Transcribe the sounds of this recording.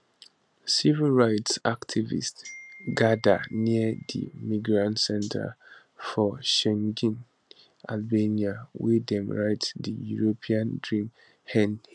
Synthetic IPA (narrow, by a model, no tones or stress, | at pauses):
sivilɹaɪtsaktʰivḭstɡada̰niədḭmiɡɹãntsɛ̃ntʰa̰ | fɔʃɛ̃ŋɡĩn | ʔalbeniawidɛ̃mɹaɪtdijuɹopʰiãndɹĩm | hɛ̃n